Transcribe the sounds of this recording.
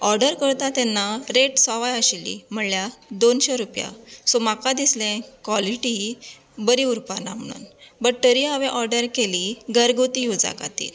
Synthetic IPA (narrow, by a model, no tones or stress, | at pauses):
ɔɾɖəɾkəɾt̪at̪ɛnːaɾeʈsɔʋajəɕilːḭm̤əɽljad̪onɕɔɾupja̰somakad̪islẽkʋɔliʈi | bəɾiuɾpanam̤əɽ̃ṵnbəʈəɾiɦaʋɛ̃ʔɔɾɖəɾkeliɡəɾɡot̪ijud͡za̰ka̰t̪ḭl